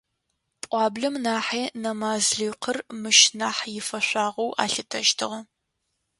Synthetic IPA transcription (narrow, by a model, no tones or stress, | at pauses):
pʼʷɑːbɮɐmnaːħeːnɐmaːzɮiːqʰərmɨʃnaːħjɪfɐɕʷaːʁɐwʔa̰ːɬɨtʰɐʒtʰɨ̰ʁɐ